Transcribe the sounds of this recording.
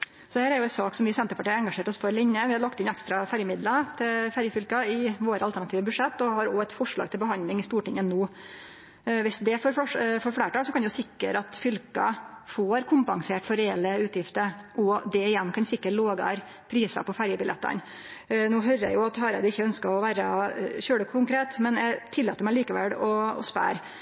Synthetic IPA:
sɔhæːɾæɾjʊɛnsɑːksɔmʋɪsɛnt̪əpɑʈiːɾɛŋɡɑʂeːʈɔsfɔɾlɪɲːəʋɪhɑɾlɑkt̪ɪnɛkst̪ɾɑfæɾjəmɪd̪lət̪ʰɪfæɾjəfʏlkɑɪʋoːɾəɑlt̪ʰæɳɑt̪ʰiːʋəbʉʂɛt̪ːɔhɑɾɔɛt̪fɔʂɭɑ̰ɡ̚t̪ʰɪlbəhɦɑnd̪lɪŋɪst̪uːʈɪŋːənoː | ʋɪsd̪ɛfɔɾfɔʂfɔɾfɽeːʈɑːɡsɔkʰɑnd̪ɛjʊsɪkːə̰ɾɑt̪fʏlkɑ̰foːɾkʰʊmpɑŋseːʈfɔɾɛɛlːəʉːt̪jɪft̪əɾʔɔd̪ɛɪjɛnːkʰɑnsɪkːəʈloːɡɑ̰ɾ | pʰɾiːsɑ̰pɔfæɾjəbɪlʔɛ̰t̪ːə̰n | nuːɦœɾæ̰jʊɑt̪hɑːɾæ̰ɪd̪əɪçːəœnskəɾɔʋæːɾəɕøːɽəkʰʊŋkʰɾeːt̪mɛnjæt̪ʰɪlːɑːt̪ːəɾmæɪliːkəʋɛ̰lɔɔ̰spæ̰ːɾ

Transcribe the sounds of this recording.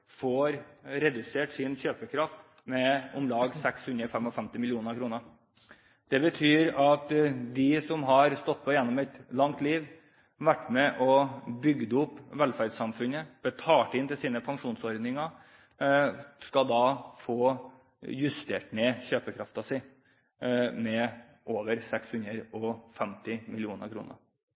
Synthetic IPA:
foːɾɾɛd̪ʉseːʈsɪnçøːpəkʰɾɑft̪ | mɛʊmlɑːɡsɛkshʉnɾəfɛmɔfɛmt̪ɪmɪlɪuːnəɾkʰɾuːnəɾ | d̪̥ɛbət̪ʰyːɾɑt̪d̪ɪsɔmɦɑɾst̪ɔt̪̚ːpʰɔjɛnːɔmɛt̪lɑŋt̪liːʋ | ʋæʈːmɛʔɔbʏɡd̪əʊpːʋɛlfæɾɖsɑmfʉnəb̥ət̪ʰɑːʈɪnt̪ɪlsiːnəpʰɑŋʂuːnsɔɾd̪nɪŋɑ | skɑd̪ɑːfoː | jʉst̪ḛːʈnɛçøːpəkʰɾɑft̪ɑsɪ | mɛ | ʔoːʋəɾsɛkshʉnəɾɔfɛmt̪ɪmɪlɪuːnə̰ɾkʰɾṵːnə̰ɾ

